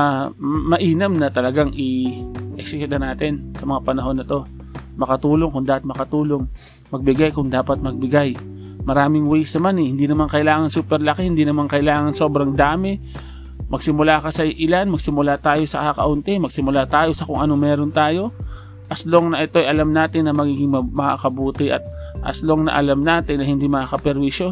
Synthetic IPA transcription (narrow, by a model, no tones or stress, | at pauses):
amɐʔiːnɐmnɐt̪ɐlɐɡaŋʔɪʔɛksɪkjʊt̪ɐnaːt̪ɪnsɐmɐŋapɐnɐɦo̞nːɐt̪o̞ | mɐkɐt̪uːlo̞ŋkʊŋd̪aːpɐt̪̚mɐkɐt̪uːloŋ | mɐɡ̚bɪɡajkʊŋd̪aːpɐt̪̚mɐɡ̚bɪɡaj | mɐɾaːmɪŋwɛjsnɐmanɛhɪnd̪inɐmankɐʔɪlaːŋɐnsuːpɛɾlɐkɪhɪnd̪inɐmankɐʔɪlaːŋɐnso̞bɾɐŋd̪aːmɪ | mɐɡsɪmʊlaːkɐsɐʔɪlanmɐɡsɪmʊlat̪aːjo̞sɐkakɐ̰ʔʊnt̪ɪmɐɡsɪmʊlaːt̪aːjo̞sɐkʊŋʔɐno̞mɛːɾont̪aːjo̞ | ʔɐslo̞ŋnɐʔɪt̪o̞ɐjʔɐlamnaːt̪ɪnːɐmɐɡiːɡɪŋmɐmɐʔa̰kɐbuːt̪ɪʔɐ̰t̪̚ʔɐ̰slo̞ŋnɐ̰ʔɐlamnaːt̪ɪnːɐhɪnd̪imɐʔakɐpɛɾbiʃjo̞